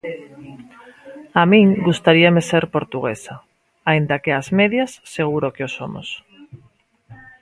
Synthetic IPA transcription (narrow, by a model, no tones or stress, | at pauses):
amĩŋɡust̪aɾiameseɾpoɾt̪uɣesa | aind̪akeazmeðjasːeɣ̞uɾokeosomo̰s